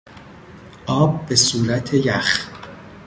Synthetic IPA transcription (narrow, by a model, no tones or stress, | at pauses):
ʔɒːb̚ːe̞suːɾæt̪ʰejæx